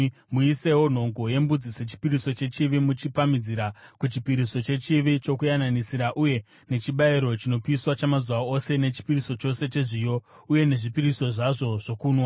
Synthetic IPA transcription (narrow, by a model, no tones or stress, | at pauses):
muise̞wo̞n̤o̞ŋɡo̞je̞mbud͡zise̞t͡ʃi̥piriso̞t͡ʃe̞t͡ʃiʋimut͡ʃipamid͡ziɾakut͡ʃipiɾiso̞t͡ʃe̞t͡ʃiʋit͡ʃo̞kujananisiɾaʔuje̞ | ne̞t͡ʃiɓaiɾo̞t͡ʃino̞piiswat͡ʃamazuʋao̞se̞ne̞t͡ʃi̥piriso̞t͡ʃo̞se̞t͡ʃe̞ʐijo̞ | uje̞ne̞ʐipiriso̞ʐaʐo̞ʐ̥o̞kuːnwa